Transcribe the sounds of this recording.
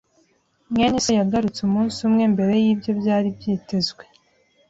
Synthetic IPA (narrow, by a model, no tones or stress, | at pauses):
mɲeɲisajaɡaɾut͡sumuːnsumŋe̞mbe̞ɾe̞jiːbjo̞bjaːɾibjiːte̞zɡwe̞